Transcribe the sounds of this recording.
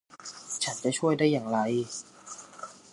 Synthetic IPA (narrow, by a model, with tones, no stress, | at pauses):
t͡ɕʰa˦˥nt͡ɕa˨˩t͡ɕʰu˥˩əjdaː˥˩jːaː˨˩ŋɾa˧j